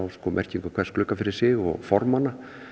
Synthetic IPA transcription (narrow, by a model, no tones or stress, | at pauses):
awskɔːmɛ̰r̥ciŋkʏkʰvɛrsklʏːkafɪɾɪ̥sɪɣɔ̰ɣfɔɾmanːa